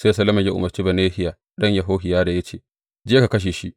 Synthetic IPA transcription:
seː˦sɐ˨lɐ˦mɐ˨ɲja˦ʔʊ̰˨mɐ˨rt͡ʃi˦bɐ˨neː˦hɪ˦jaː˨ | ɗɐ˦ɲja˨ɦoː˦ɦɪ˨jaː˦da˨jɐ˦t͡ʃeː˨ | d͡ʒeː˦ka˨kɐ˦ʃ̬eː˨ʃi˦ʔ

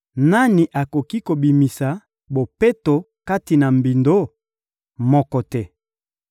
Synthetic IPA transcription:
na˦ni˨ʔa˨ko˨ki˦ko˨bi˨mi˨sa˨ | bo˨pe˦to˨ | ka˦ti˨na˨mbi˨ndo˦ | mɔ˦kɔ˨tɛ˦˨

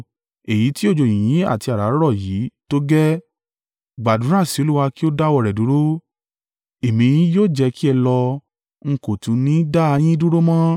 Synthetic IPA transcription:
e˨ji˨˦ti˦o˦˨d͡ʒo˨j̃ĩ˨j̃ĩ˨˦a̰˦˨ti˧a˨ɾa˨˦ɾɔ˦˨jiː˨˦to˦ɡɛ˦ | ɡ͡ba˨dũ˨˦ɾã˦˨si˨˧˦o˨˧lu˦wa˧ki˦o˦da˦wɔ˧˨ɾɛ˨du˨˦ɾo˦ | e˨mĩ˧j̃ĩ˦joː˦˨d͡ʒɛ˧ki˦ɛ˧lɔ˧ | ŋ̩˧ko˨tũ˨˧nĩ˨˦da˦a˧j̃ĩ˦du˦ɾo˦mã˦

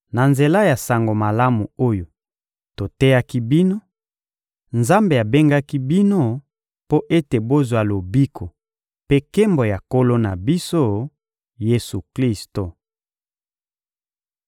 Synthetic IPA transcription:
na˨nze˨la˦ja˨sa˨ŋɡo˨ma˨la˦mu˨o˦jo˨ | to˨tɛ˦ja˦ki˦bi˦no˦ | nza˦mbe˨a˨be˦ŋɡa˦ki˦bi˦no˦ | po˦ʔe˦te˨bo˦zwa˨lo˨bi˦kʰo˨ | pe˦ke˦mbo˨ja˨ko˦lo˦na˨bi˦so˦ | je˦su˨kli˦sto˨

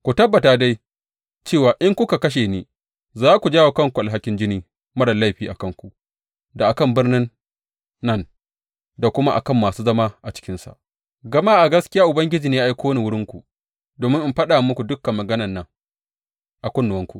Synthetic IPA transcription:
kʷu˨tɐ˦bːɐ˨taː˨da˦j | t͡ʃeː˦˨waː˨ʔɪ˦ŋkʷʊ˦ka˨kɐ˦ʃ̬eː˨neː˦ | zaː˦kʷu˨d͡ʒaː˦woː˨kɐ˦ŋkʷu˨ʔa˨lɦa˨˦kʲɪ˦nd͡ʒɪ˦niː˦ | mɐ˦ɽɐ˨lːa˦˨jɸiː˦˨ʔa˨kɐ˦˨ŋkʷu˨ʔ | da˨ʔa˨kɐ˦˨mbɪ˦rnɪ˦nː | ɐ˦˨n | da˨kʷʊ˦ma˦ʔa̰˨kɐ˦˨mːaː˨suː˦zɐ˦maː˦ʔa˨t͡ʃɪ̥˦kʲɪ˦nsa̰˨ʔ | ɡɐ˦maː˦ʔa˨ɡɐ˦skʲɪ˦jaː˦ʔʊ˨bɐ˦ŋɡʲɪ˦d͡ʒiː˨neː˦a˦ʔa˦jkʷoː˦wni˨wʊ˦ɽɪ˦ŋkʷu˨ | doː˨mɪ˦ŋʔɪ˨mɸɐ˦ɗaː˨mʊ˦kʷu˨dʊ˦kːɐ˨mːɐ˨ɡɐ˦nɐ˨nːɐ˦˨ŋ | ʔa˨kʷʊ˦nːʊ˨wɐ˦ŋkʷṵ˨ʔ

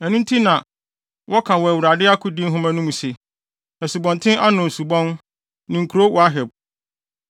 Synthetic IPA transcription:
ɛ˨nũ˦n˦tʰi˦nã˨ | wʔɔ˦kʰã˨wɔ˨wu˨ɾa˨dɪ˦a˦kʰʊ˦dĩ˦n˦ɦʊ̃˦mã˦nʊ̃˦mũ˨se˨ | ɛ˨su˨bɔ̃˨ntʰɪ̃˦ʔa˦nʊ̃˨n̩˨su˨bɔ̃˦n | nɪ̃˨ŋ̩˨kʰu˨ɾo˦wɔ˨a˦ɦɛ˨b̚

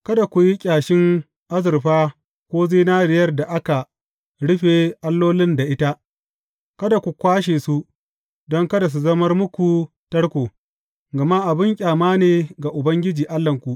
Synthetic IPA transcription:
kɐ˦da˨kʷu˨ji˦kʲʼaː˨ʃɪ˦ŋ | ʔa˦zɪ˨rɸaː˦ | kʷoː˦zi˦naː˦ɽɪ˨jɐ˦rda˨ʔa˦ka˨ | ɽʊ˦ɸeː˨ʔa˦lːoː˦lɪ˦nda˨ʔɪ˦ta˦ | kɐ˦da˨kʷu˨kʷaː˦ʃ̬eː˨su˦ | dɔ˦ŋkɐ˦da˨s̬u˨zɐ˦mɐ˦rmʊ˦kʷu˨ | tɐ˦ɽkʷoː˨ | ɡɐ˨ma˦ʔa˨bɪ˦ŋkʲʼaː˨maː˦neː˨ɡa˨ʔʊ˨bɐ˦ŋɡʲɪ˦d͡ʒiː˨ʔa˦lːɐ˨ŋkʷu˨ʔ

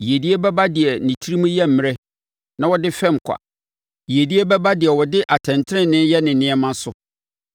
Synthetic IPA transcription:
ji˨e˨di˦e˦bɛ˦ba˦dɪ˨ɛ˨nĩ˨tʰi˦ɾi˦mũ˦jɛ˦m̩˨m̃˨ɾɛ˦ | nã˦wɔ˦dɪ˦fɛ̃˦m˨kʷʰa̰˨ | ji˨e˨di˦e˦bɛ˦ba˦dɪ˨ɛ˨wɔ˨dɪ˦ʔa˨tʰɛ̃˨ntʰɪ̃˦˨nɪ̃˦jɛ˦nɪ̃˨nɪ̃˦ɛ˦mã˦sʊ˨

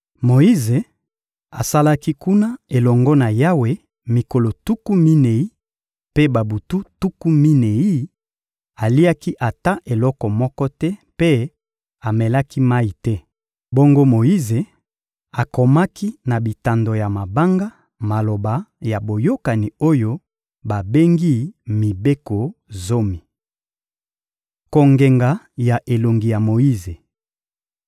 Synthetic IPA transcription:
mo˨i˦ze˨ | a˨sa˦la˦ki˦ku˦na˦e˨lɔ˨ŋɡɔ˦na˨ja˦we˨ | mi˨ko˨lo˨tu˦ku˦mi˦ne˨i˦ | pe˦ba˨bu˨tu˦tu˦ku˦mi˦ne˨i˦ | a˨li˦a˦ki˦ʔa˨ta˦ʔe˨lɔ˦kɔ˨mɔ˦kɔ˦tɛ˦pe˦ | a˨mɛ˨la˦ki˦ma˦i˨tɛ˦ | bo˦ŋɡo˦mo˨i˦ze˨ | a˨ko˨ma˦ki˦na˨bi˨ta˨ndo˨ja˨ma˨ba˦ŋɡa˦ | ma˨lo˨ba˨ja˨bo˨jo˦ka˨ni˨o˦jo˦ | ba˨be˦ŋɡi˦mi˨be˦ko˨zo˦mi˨ | ko˨ŋɡe˨ŋɡa˨ | ja˨ʔe˨lo˨ŋɡi˨ja˨mo˨ji˦ze˨

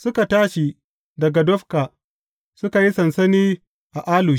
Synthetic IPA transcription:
sʊ˦ka˨taː˦ʃi˨ | dɐ˨ɡa˨dɔ˦ɸkaː˨ | sʊ˦ka˨ji˦sɐ˨nsɐ˦niː˦ | ʔa˨ʔaː˦luː˨

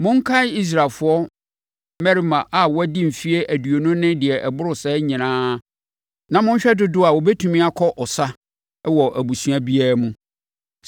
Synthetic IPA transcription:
mʊ̃˦ŋ̩˦kʰa˦i˦s̬ɾa˨lfʊ˨˦ɔ˦ | mɛ˦ɾi˦mã˨ʔa˨wɔ˦dĩ˦m̩˨fi˦e˦ʔæ˨du˨o˨nʊ̃˦nɪ̃˦dɪ˨ɛ˨ʔɛ˨bʊ˦ɾʊ˨sɛ˦ɲɪ̃˨nãː˦ | nã˨mʊ̃˦ɲ̩˦ɕᶣɛ˦dʊ˦dʊ˦a˨wɔ˨bɛ˦tʰũ˨mĩ˦a˦kʰɔ˦ʔɔ˨sa˦ | wɔ˨ʔæ˨bu˨su˨˦a˦bi˦a˦ɾmũ˦

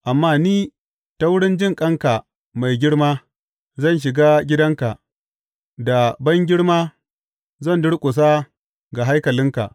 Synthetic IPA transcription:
ʔa˨mːaː˦niː˦ | ta˦wʊ˦ɽɪ˦nd͡ʒɪ˦ŋkʼɐ˦ŋka˨ | ma˨jɡʲɪ˦ɽmaː˦ | zɐ˦˨nʃ̬ɪ˨ɡaː˦ɡʲɪ˦dɐ˦ŋka˨ʔ | da˨bɐ˦ŋɡʲɪ˦ɽmaː˦ | zɐ˦˨ndʊ˦ɽkʷʼʊ˨s̬aː˦ | ɡa˨ɦa˦jkɐ˨lɪ˦ŋka̰˨ʔ

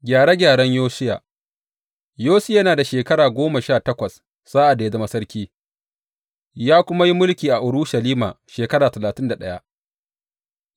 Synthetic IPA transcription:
ɡʲaː˨ɽe˦ɡʲaː˨ɽɐ˦ɲjoː˦sɪ˦ja̰ː˨ | joː˦si˦˨jɐ˦naː˨da˨ʃeː˨kɐ˦ɽaː˨ɡʷoː˦ma˨ʃaː˦˨tɐ˦kʷɐ˨s | z̥aː˦ʔa˨da˨e˨da˨mɐ˦sɐ˦ɾkʲiː˦ | jaː˦kʷʊ˦ma˦ji˦mʊ˦lkʲiː˨ʔa˨ʔʊ˨ɽʊ˦ʃɐ˨liː˦ma̰ː˨ʃeː˨kɐ˦ɽaː˨tɐ˨laː˨tɪ˦nda˨ɗɐ˦ja̰˦ʔ

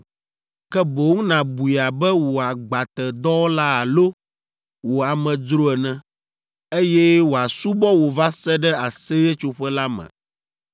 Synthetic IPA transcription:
kɛ˦bo˨ŋũ˦nã˨bu˨i˨a˨bɛ˦wo˨a˨ɡ͡ba˨t̪ɛ˨d̪ɔ˦wo˦la˦a˨lo˦ | wo˨a˨mɛ̃˨dɾo˦ɛ˨nɛ̃˦ | e˦jɛ˦wo˨a˨su˦bɔ˦wo˨va˦sɛ˦ɖɛ˦a˨sɛ˦jɛ˦t͡ʃo˦ɸɛ˦la˦mɛ̰̃˨

